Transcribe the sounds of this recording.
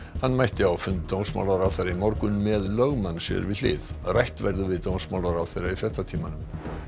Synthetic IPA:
hanːmajht̪ɪawfʏnt̪t̪ownsma̰wlaɾawθejɾaimɔwɾkʏnmɛðlœɣmanːsɛ̰ɾvɪðlɪ̰ːðrajht̪vɛɾðʏvɪðt̪ownsmaːwlaɾawθejɾaifɾɛht̪at̪ʰiːmanʏm

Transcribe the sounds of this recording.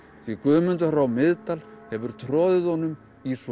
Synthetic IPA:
θvikʏːmʏnt̪aɾawmɪðt̪alhɛvʏɾ̥t̪ʰɾɔːðɪðɔnːʏm | is

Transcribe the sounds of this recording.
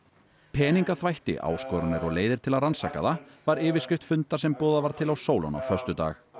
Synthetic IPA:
pʰɛːniŋkaθvajht̪ɪ̰ʔa̰ːwskɔɾʏnɪɾɔɣleːjðɪɾ̥t̪ʰɪlaðransaːka̰ðavaɾɪːvɪ̥scɪft̪fʏnt̪ḁsɛmpɔːðavaɾ̥t̪ʰɪlawsoːwla̰na̰wfœr̥st̪ʏt̪a̰ːx

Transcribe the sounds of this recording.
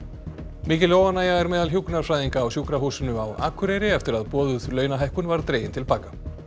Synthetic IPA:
miːcɪlowanːaːjaɛɾmɛːðalɦjuknaɾ̥fɾajðiŋkaːwsjuːkɾaɦuːsʏnʏawa̰ːkʰʏɾɛɾɪɛft̪ɪɾaðpɔːðʏðlœːɥnaɦajhkʏnvaɾt̪ɾeːjɪnt̪ʰɪlpaːka

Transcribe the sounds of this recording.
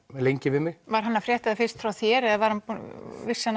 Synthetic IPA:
ɛðlejɲcɪvɪmɪvaɾ̥ɦanːafɾjɛːht̪aðafɪ̥st̪fɾawθjɛːɾɛðvaɾ̥hanpvɪ̥sːɛn

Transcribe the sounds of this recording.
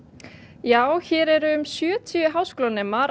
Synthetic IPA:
jaːwçɛːɾɛɾʏʏmsjœːt̪ʰiʏɦaːwskoːlanɛmːaɾ

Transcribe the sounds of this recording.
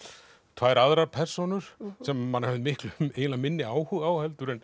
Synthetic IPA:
t̪ʰvaːjɾaðɾaɾpʰɛr̥sɔnʏɾ̥sɛmːanhœvðmɪhklmejnlamɪnːɪaːwhuɣaːwhɛlt̪ʏɾɪn

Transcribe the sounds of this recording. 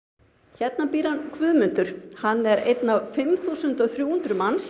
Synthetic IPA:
çɛt̪̚napiːɾankʰvʏːðmʏnt̪ʏɾ̥hanːɛɾḛjt̪nawfɪmθusʏnt̪ɔθɾjuːhunt̪ɾʏmans

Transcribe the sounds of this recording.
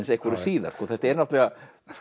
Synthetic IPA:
nsehkvɔɾɪ̥siːða̰ɾ̥skɔθɛht̪ɛɾnaht̪lɛɣa

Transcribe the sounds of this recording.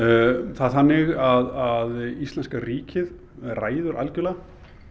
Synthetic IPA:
θaðθanːɪɣaðaðist̪ɛnskariːcɪð | raːjðʏɾʔa̰lcʏla

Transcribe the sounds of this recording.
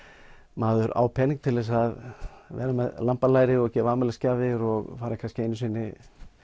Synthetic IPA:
maːðʏɾa̰ːwpʰɛniŋk̚t̪ʰɪlvɛs̬aðvɛ̰ːɾamɛðlampalaːjɾɪɔcɛːvaːmɛlascaːvðɪɾɔɣfaːɾɪkʰaskcɪejnʏsvɪːnːɪ

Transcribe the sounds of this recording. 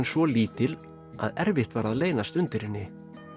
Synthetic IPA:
nsvɔliːt̪ɪl | a̰ðɛɾvɪht̪vaɾaðleːjnast̪ʏnt̪ɪɾɪnːɪ

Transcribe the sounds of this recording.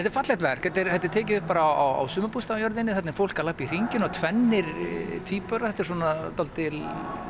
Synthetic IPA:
ɛt̪ɪɾfat̪lɛht̪vɛɾ̥ɛt̪ːɪɾhɛt̪ɪɾ̥t̪ʰɛːc̬ɪʏhpːaːɾaawawa̰wsʏːmʏpust̪ajœɾðɪnːɪθɛt̪nɛɾfowl̥kaɾlahpir̥iɲcɪnɔt̪ʰvɛnːɪɾt̪ʰiːpœɾaθɛht̪ːɛɾ̥swɔnat̪alt̪ɪl

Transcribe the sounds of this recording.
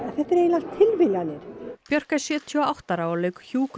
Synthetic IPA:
aθɛht̪ɛɾejnlan̥t̪ʰːɪlvɪljanɪɾ̥pjœr̥kasjɛːt̪ʰiɔawht̪aɾawalœːɥkçuːk

